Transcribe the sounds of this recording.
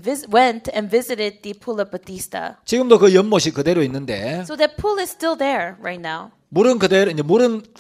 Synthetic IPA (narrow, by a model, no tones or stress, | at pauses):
vɪzwɛ̃ntʰɛ̃nvɪzɨɾɪd̪̚ðɨpʰulˠʌvbɨtistə̰t͡ɕiɡɯmdokɯjʌnmʌɕʰikɯde̞ɾoinːɯnde̞soʊðɨt̚pʰulˠɪz̥stɪlˠðə˞ɹa̰ɪtⁿnaʊ | muɾɯnkɯdeɾiɲd͡ʑemuɾɯn